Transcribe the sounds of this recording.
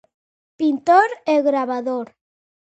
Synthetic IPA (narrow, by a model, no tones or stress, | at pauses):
pint̪oɾeɣɾaβaðoɾ